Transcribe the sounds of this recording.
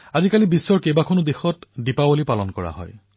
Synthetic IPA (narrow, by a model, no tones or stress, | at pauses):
azikalibisːɔɹkejbakʰɔnudexɔtdipabolipalɔnkɔɹa̰ɦɔ̰j